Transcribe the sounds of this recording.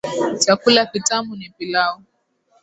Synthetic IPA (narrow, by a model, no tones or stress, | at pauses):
t͡ʃakulakitamʊnɪpilaʊ